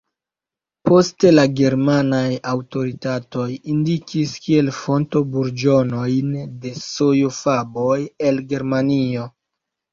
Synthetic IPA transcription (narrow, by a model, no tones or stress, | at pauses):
po̞ste̞laɡe̞ɾmanajawto̞ɾitato̞jindikʰiskie̞lfo̞nto̞buɾd͡ʒo̞no̞jnde̞so̞jofabo̞je̞lɡe̞ɾmanio̞